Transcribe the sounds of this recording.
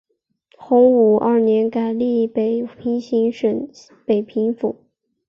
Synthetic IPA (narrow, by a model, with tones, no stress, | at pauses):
xʊ˧˥ŋu˨˩ʔɐ˞˥˩njɛ˧˥nka˨˩ɪli˥˩pe˨˩ɪpʰi˧˥ŋɕi˧˥ŋʂə˨˩n | pe˨˩ɪpʰi˧˥ŋfu˨˩˦